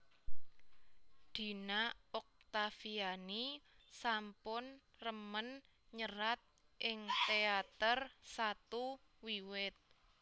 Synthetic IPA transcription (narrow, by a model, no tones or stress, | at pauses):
d̪̥i̤naɔk̚t̪afianisampʊn | rəmən | ɲərat̪̚ | ʔɪŋt̪eat̪ərsat̪u | wiwɪt̪̚